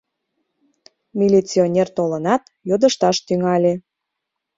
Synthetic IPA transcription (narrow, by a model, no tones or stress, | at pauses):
mʲilʲit͡sionʲert̪olənɑt̪ | jod̪əʃt̪ɑʃt̪yŋɑlʲe